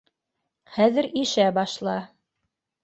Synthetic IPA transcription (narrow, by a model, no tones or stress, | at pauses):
χæðɘ̆ɾiʃæbɑʃlˠɑ